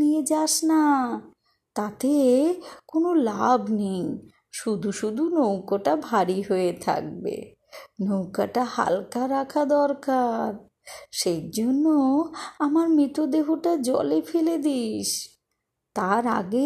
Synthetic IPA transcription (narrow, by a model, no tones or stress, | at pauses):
ied͡ʑaʃna | t̪at̪e | konolabnej | ʃud̪ʱuʃud̪ʱunowkoʈabʱaɾiɦoet̪ʰa̰k̚bḛ | nowkaʈaha̰lkaɾakʰad̪ɔɾkaɾ | ʃejd͡ʑonːoamaɾmɾit̪od̪eɦoʈad͡ʑɔ̰lefʰeled̪iʃ | t̪aɾa̰ɡe